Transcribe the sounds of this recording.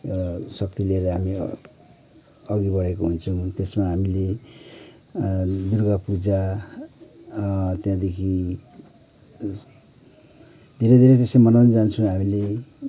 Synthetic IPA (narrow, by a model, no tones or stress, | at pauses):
sʌk̚t̪ileɾʌɦami | ʌɡibʌɽekoɦunt͡sʰʌw̃t̪esmaɦamile | d̪urɡapud͡za | t̪jãd̪ekʰi | d̪ʱeɾed̪ʱeɾet̪esemʌnawnid͡zant͡sʰũɦamile